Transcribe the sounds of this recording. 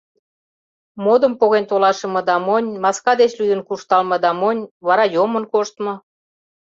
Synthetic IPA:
mod̪ə̆mpoɣent̪olɑʃə̆mɤ̆d̪ɑmonʲmɑskɑd̪et͡ɕlʲyd̪ə̆nkuʃt̪ɑlmɤ̆d̪ɑmonʲβɑɾɑjomə̆nkoʃt̪mɤ̆

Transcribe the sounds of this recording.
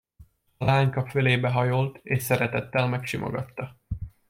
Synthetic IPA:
ɒlaːɲkɒføleːbɛɦɒjolt̪eːʃsɛɾɛt̪ɛt̪ːɛlmɛkʃimʔo̰ɡɒt̪ːɒ

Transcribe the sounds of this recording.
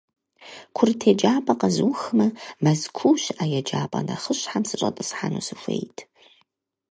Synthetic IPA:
kʷʰʊrtʰeːd͡ʒaːpʼɐqɐzɨwxɨmɐmɐzkʷʰuwɕaːjɛd͡ʒaːpʼɐ̰nɐ̰χəɕħamsɨɕʼɐ̰tʼɨsħanṵːsɨfʷḛjtʰ

